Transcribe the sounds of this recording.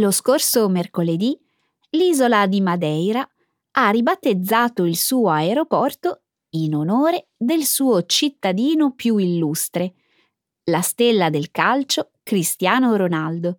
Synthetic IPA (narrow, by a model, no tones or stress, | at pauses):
loskorsomerkoled̪i | liːzolad̪imad̪ɛjɾa | arːibat̪ːed̪zːaːt̪oilsuːoaeɾopɔrt̪o | inonoːɾed̪elsuːot͡ʃit̪ːad̪iːnopjuilːust̪ɾe | last̪elːad̪elkalt͡ʃo | kɾist̪jaːnoɾonald̪o